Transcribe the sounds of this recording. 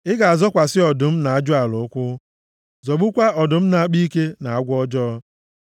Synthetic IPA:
ɪ˦ɡa˨a˨zɔ˦kʷa˨sɪ˦ɔ˨dʊ˨m̩˦na˨a˦d͡ʒʊ˦a˨lʊ˨ʊ˦kʷʊ˦ | zɔ˨ɡ͡bu˦kʷa˦ʔɔ˨dʊ˨m̩˦na˨a˦k͡pi˦ke˦na˨a˦ɡʷɔ˦d͡ʒɔ˦

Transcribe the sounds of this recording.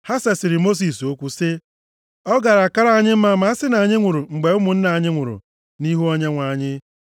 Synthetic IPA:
ha˦se˨sɪ˨ɾɪ˨mo˦s̬i˨s̬o˦kʷu˦sɪ˦ | ɔ˦ɡa˨ɾa˨ka˦ɾa˦a˦ɲɪ˦m̩˦ma˦ma˨˦a˦sɪ˦na˨ɲɪ˦ŋʷʊ˨ɾʊ˨ŋ͡m̩˨ɡ͡be˨ʊ˦mʊ˨n̩˦na˨a˨ɲɪ˦ŋʷʊ˨ɾʊ̰˨ | ni˦ɦu˦ɔ˦ɲe˦ŋʷa˨a˨ɲɪ˦

